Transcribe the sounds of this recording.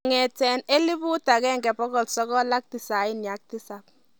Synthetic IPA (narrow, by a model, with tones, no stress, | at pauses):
ŋɛ˨tɛ˨ne˦li˦bʊ˦ta˨kɛ˦ŋɡɛ˨pɔ˦kɔ˨lsɔ˦kɔ˦la˦k̚tɪ˨sa˨˦ɪ˦nja˨˦k̚ti˦sa˨p̚